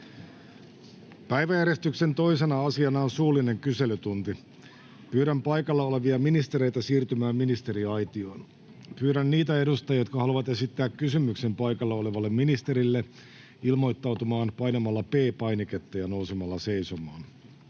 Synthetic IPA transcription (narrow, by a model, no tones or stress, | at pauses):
pæjʋæjæɾje̞st̪ykse̞nt̪o̞ise̞nɑɑsiɑnɑonsuːlːˑine̞ŋkyse̞lyt̪unt̪i | pyːɾæmpɑjkɑlːɑole̞ʋiɑminist̪e̞ɾe̞jt̪æsiːrt̪ymæːmminist̪e̞ɾiɑjt̪ioːn | pyːɾænːiːt̪æe̞dust̪ɑjot̪kɑhɑluʋɑt̪e̞sit̪ːæːkkːysymːykse̞mpɑjkɑlːɑo̞leʋɑlːemminist̪e̞ɾilːe | ilmo̞jt̪ːɑwt̪umɑːnpɑjnɑmɑlːɑpeːpɑjniket̪ːæjɑnousemɑlːɑse̞isomɑːn